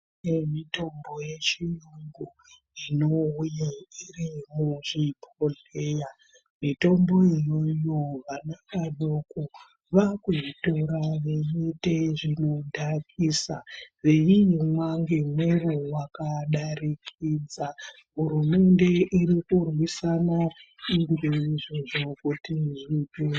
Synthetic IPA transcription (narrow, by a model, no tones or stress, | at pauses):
nemito̞mbo̞je̞t͡ʃijuŋɡu | ino̞ujairimuʐipʰoɮ | e̞ːja | mito̞mbo̞ijo̞joʋanakaɗoko | ʋakuʐito̞ɾaʋe̞jiteʐino̞dʱakʰisa̰ʋe̞jimwaŋɡe̞mwe̞rowakaɗarikid͡za | ɦuɾume̞nde̞ʔiɾikurwisana | iŋɡeiʐoʐo̞kutiʐipe